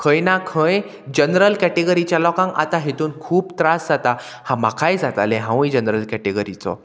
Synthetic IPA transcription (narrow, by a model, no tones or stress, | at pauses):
kʰə̃jnakʰə̃j | d͡ʑənɾəlkɛʈeɡəɾit͡ɕjalɔkãŋɡa̰t̪aɦet̪uːnkʰuːpt̪ɾasd͡zat̪a | hãmakʰajd͡zat̪alẽɦãw̃jd͡ʑənɾəlkɛʈeɡəɾit͡sɔ̰